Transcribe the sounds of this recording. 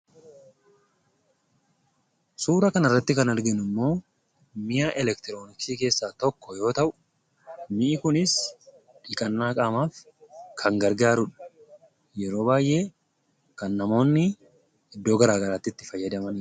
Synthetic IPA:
suːɾɐkɐnɐrːɐt̪ːɪkɐnɐɾɡɛnʊmːo̞ː | mɪjaːʔɛlɛkt̪ɪɾo̞ːnɪksiːke̞ːsːaːt̪ɔkːɔjo̞ːt̪ɐʔʊ̥ | mɪʔɪkʊnɪs | ᶑɪkʼɐnːaːkʼaːmaːf | kʰɐŋɡɐɾɡaːɾʊᶑɐ̥ | jɛɾo̞ːbaːjʔe̞ː | kɐnːɐmo̞ːnːɪ | ɪd̪ːo̞ːɡɐɾaːɡɐɾaːt̪ːɪt̪ːɪfɐjːɐd̪ɐmɐni

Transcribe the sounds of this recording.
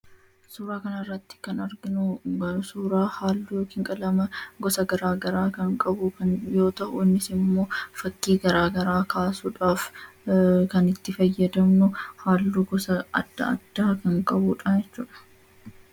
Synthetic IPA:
suːɾaːkɐnɐrːɐt̪ːɪ̥kɐnɐɾɡɪnʊsuːɾaːhaːlːuːjoːkɪŋkʼɐlɐmɐɡɔsɐɡɐɾaːɡɐɾaːkɐŋkʼɐbʊkɐnjo̞ːt̪ɐʔʊɪnːɪsɪmːo̞ːfɐkːiːɡɐɾaːɡɐɾaːkaːsuːᶑaːf | kɐnɪt̪ːɪfɐjːɐd̪ɐmnʊhaːlːuːɡɔsɐɐ̰d̪̥ːɐ̰ɐ̰d̪̥ːaːkɐŋkʼɐbuːᶑɐjɛt͡ʃːuːᶑɐ̥

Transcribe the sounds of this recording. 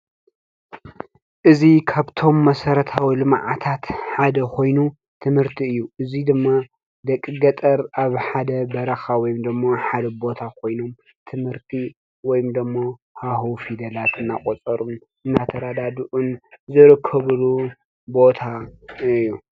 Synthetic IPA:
ʔɨzikʰaβt̪ʰo̞mːɐsɐɾɐt̪ʰawilɨmʕa̰t̪ʰat̪ħad̪ɐkʰo̞jnu | t̪ʰɨmhɨɾt̪ʰiɨjːuʔɨzid̪ɨmːa | d̪ɐkʼːɨɡɐt̪ʼɐɾaβħad̪ɐbɐɾɐxawɔjimd̪ɨmːaħad̪ɐbo̞t̪ʰakʰo̞jno̞m | t̪ʰɨmhɨɾt̪ʰi | wɔjmd̪ɨmːo | hahufid̪ɐlat̪ɨnːakʼot͡sʼɐɾun | ɨnːat̪ʰɐɾad̪ad̪uʔunzɨɾɨkʰːɐβɨlu | bo̞t̪ʰaɨjːu

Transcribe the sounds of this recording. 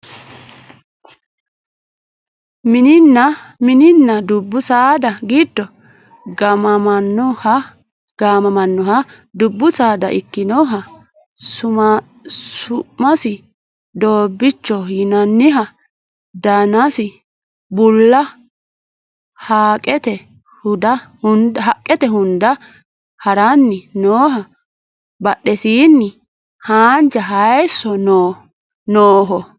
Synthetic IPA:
mɪnɪnːɐmɪnɪnːɐd̪ʊbːʊsaːd̪ɐɡiːd̪ːɔ | ɡɐmɐmɐnːɔhɐ | ɡ̥aːmɐmɐnːɔɦɐ | d̪ʊbːʊsaːd̪ɐ̰ʔɪkːɪnoːɦɐ | sʊma | sʊʔmɐsɪ | d̪oːbːɪt͡ʃːɔjɪnɐnːɪɦɐ | d̪aːnasɪ | bʊlːɐ | haːkʼɛt̪ɛ | hʊd̪ɐhʊnd̪ɦɐkʼːɛt̪ɛɦʊnd̪ɐ | hɐɾanːɪnoːɦɐ | bɐɗɛsiːnːɪ | haːnd͡ʒɐɦɐjsːɔno | noːɦɔ

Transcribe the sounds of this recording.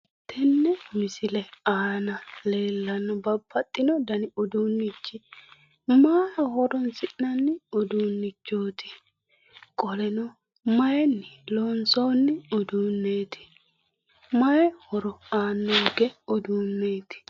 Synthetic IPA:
t̪ʰːɛnːɛmɪsɪlɛaːnɐle̞ːlːɐnːɔbɐbːɐt̪ʼːɪnɔd̪ɐnɪʊd̪uːnːɪt͡ʃːɪ | maːjɐhɔɾɔnsɪʔnɐnːɪʊd̪uːnːɪt͡ʃːoːt̪ʰɪ̥ | kʼɔlɛnɔ | mɐjɛnːɪloːnsoːnːɪʊd̪uːnːeːt̪ʰɪ̥ | mɐjɛhɔɾɔaːnːoɡɛɔd̪uːnːeːt̪ɪ̥

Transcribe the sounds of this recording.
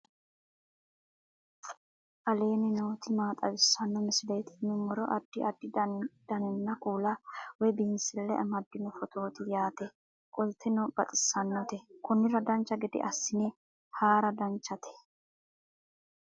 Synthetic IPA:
ʔɐleːnɪnoːt̪ɪmaːt̪ʼɐbɪsːɐnːɔmɪsɪlɛjt̪ɪ̥nʊmːɔɾɔʔɐd̪̥ːɪʔɐd̪ːɪd̪̥ɐnɛnːɐkuːlɐwɛjbinsɪlːɛ̰ʔɐmɐd̪ːɪnɔfɔt̪ʰo̞ːt̪ɪjaːt̪ɛ | kʼɔlt̪ʰɛnɔb̥ɐt̪ʼɪ̥sːɐnːɔt̪ɛkʊnɪɾɐd̪ɐnt͡ʃːɐɡɪd̪ɪ̰ʔɐsːɪnɛ | haːɾɐd̪ɐnt͡ʃːɐt̪ʰɛ̥

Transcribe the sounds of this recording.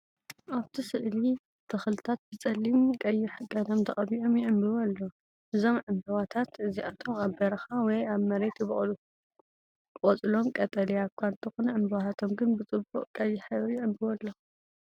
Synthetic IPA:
ʔaβt̪ʰisɨʔli | t̪ʰɐxlɨt̪ʰat̪̚bɨt͡sʼɐlːimkʼɐjːɪħkʼɐd̪ɐmt̪ʰɐχʼɐβiʔomjɪʔɨmbɨwɐlːo | ʔɨzo̞mʕɨmbɨwat̪ʰat̪ɨziʔat̪ʰomaβbɐɾɐxawɔjaβmɐɾet̪jɪβɨʔʼl | kʼot͡sʼɨlo̞mkʼɐt̪ʼɐliaβkʷʰant̪ʰɨxunɐʕɨmbwahat̪ʰomɡɨnbɨt͡sʼɨbuʔʼkʼɐjːɪħɨβjɪʕɨmbɨwɐlːɐ

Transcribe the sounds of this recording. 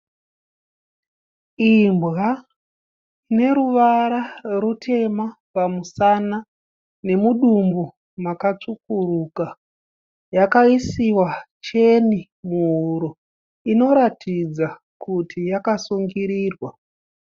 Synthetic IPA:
imbɣa | ne̞ɾuʋaɾarutʰe̞ma | pamusana | ne̞muɗumbu | makat͡ʂukuruka | jakaisiwa | t͡ʃe̞ni | muɦuɾo | ino̞ɾatʰid͡za | kʰutʰijakasuŋɡiɾiːrwa

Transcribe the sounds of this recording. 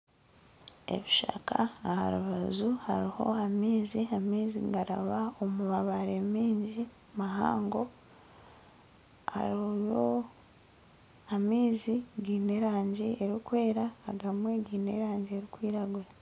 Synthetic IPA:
e̞̰βiʃa̰kʰaːha̰ɾuβazuha̰ɾiho̞̰amiːziamiːzḭɡaɾa̰βao̞muβaβaɾemiːɲɟi | maɦa̰ːŋɡo̞ | a̰ɾojo | amiːziɡiːne̞ɾaːɲɟieɾikwe̞ːɾa̰ːɡamweɡiːne̞ɾaːɲɟieɾikwiːɾaɡuɾa

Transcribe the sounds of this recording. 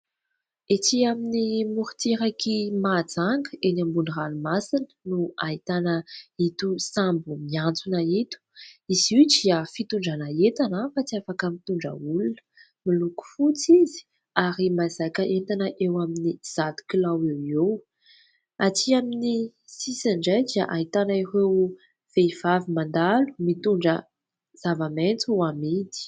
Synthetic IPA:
et͡siaminimuɾu̥t̪eɾakimad͡zaŋɡəenambuniranumasinə̥nuaɦit̪anəit̪usambumiant͡sunait̪u̥iziʈ͡ʂiafit̪uɳɖ͡ʐanaet̪anafat͡siafakəmit̪uɳɖ͡ʐə̰ulunə̥ | miluku̥fut͡sizi̥ | aɾimazakəʔet̪anəʔewaminiz̥at̪u̥kilawewew | at͡siamini | sisaɳɖ͡ʐajd̪iaʔait̪anaiɾew | v̥eiv̥avimand̪alu̥mit̪uɳɖ͡ʐə | z̥avament͡suamid̪i̥

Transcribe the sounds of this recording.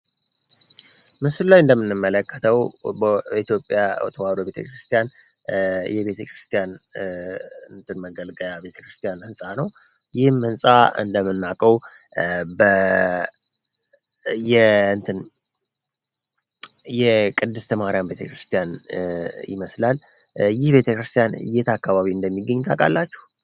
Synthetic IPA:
mɨsllajɨnd̪əmːɨnːɨmːələkʰːə̥t̪ʰəwbəit̪jo̞pʼːjawɔ̰t̪ʰəwalobe̞t̪ʰə̰kɾɨst̪ʰijan | jɛβe̞t̪ʰəkʰɾɨst̪ʰʼijan | ɨnt̪ʰɨnməɡəlɡəjabe̞t̪ʰə̥kɾɨst̪ʰʼijanhɨnsʼanəwjɪhmhɨnsʼaɨ̰nd̪əmɨnːakʼəw | bə | jɛɨnt̪ʰɨn | jɛkʼɨd̪ːɨst̪ʰəmaɾjambe̞t̪ʰəkɾɨst̪ʰijan | jɪ̰məslaljɪhbe̞t̪ʰəkɾɨst̪ʰijanjet̪ʰakːaβaβiɨnd̪əmːiɡːəɲːt̪ʰakʼa̰lːat͡ʃːɛh

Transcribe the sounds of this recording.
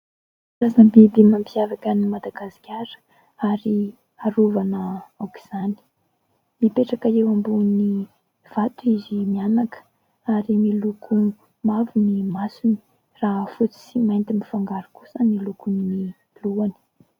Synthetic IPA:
ɾazanəbebimampiavakənimad̪aɡasi̥kʲaɾə̥ | aɾi | aɾuvanəawki̥z̥ani̥ | mipeʈ͡ʂakaewambuni | v̥at̪uizimianakə̥ | aɾimilukʰu | mavunimasuni̥ | raɦfut͡sisimajnt̪imifaŋɡaɾukusənilukunimi | luani̥

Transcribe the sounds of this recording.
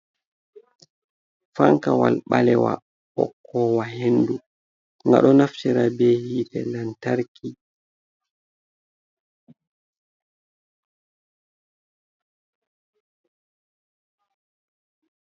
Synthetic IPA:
faŋkawalɓalɛwa̰ | ɓɔ̰kʰːɔwaɦendu | ŋɡa̰ɗɔnaftiɾabɛhiːtɛ̰lantaɾkʰi

